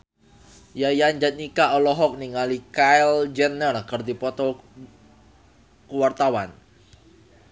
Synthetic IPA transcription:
jajand͡ʒat̪̚nikaʔɔlɔɦɔk̚niŋalikajld͡ʒɛnərkərd̪ipɔt̪ɔ | kuwart̪awan

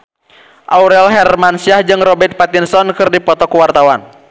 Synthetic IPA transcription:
ʔauɾɛlɦɛrmansiahd͡ʒɨŋrɔbɛrt̪̚pat̪insɔnkɨrdipɔt̪ɔkuwart̪awan

